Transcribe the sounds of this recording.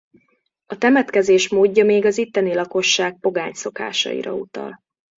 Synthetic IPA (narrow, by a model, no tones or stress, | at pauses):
ɒt̪ɛmɛt̪kɛzeːʃmoːɟːɒmeːɡɒzit̪ːɛnilɒko̞ʃːaːk̚po̞ɡaːɲso̞ka̰ːʃɒ̰ḭɾɒ̰ut̪ɒ̰l